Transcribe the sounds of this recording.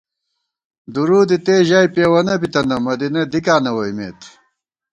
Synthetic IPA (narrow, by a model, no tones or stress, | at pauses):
d̪uɾuːd̪it̪eːʑaːipeːwɐnɐbit̪ɐnɐmɐd̪ined̪ikaːnɐwɐjmḛːt̪